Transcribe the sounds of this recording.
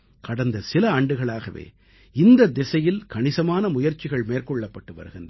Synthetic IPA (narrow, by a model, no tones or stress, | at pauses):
kɐɽɐnd̪ɐsɪlɐaːɳɖɯɣɐɭaːɣɐʋḛː | ɪnd̪ɐd̪ɛsɐjɪlkɐɳɪsɐmaːnɐmʊjɐɾt͡ʃɪɣɐɭmeːrkɔɭːɐpːɐʈːɯʋɐ̰ɾɯɣɪndɐ